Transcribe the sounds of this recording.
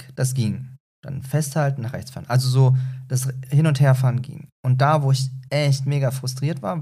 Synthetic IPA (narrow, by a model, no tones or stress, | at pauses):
d̥asɡ̥iːŋ | d̥a̰nfɛsthaltn̩naχʁ̥ɛçt͡sfa̰ːɐnʔalzozoːd̥ashɪnʊntheːɐfaːɐnɡḭŋʔʊnt̚d̥aːvoːɪçʔɛçtmeːɡafʁ̥ʊstʁ̥iːɐtv̥aːɐ